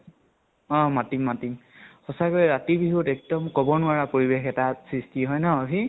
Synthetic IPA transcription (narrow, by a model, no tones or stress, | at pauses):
ɔ̃matimːatimxɔsakoɹɛɹatibiɦotɛk̚dɔmkɔbɔnʊaɹapoɹibexɛtasɹistiɦɔjnaobʱi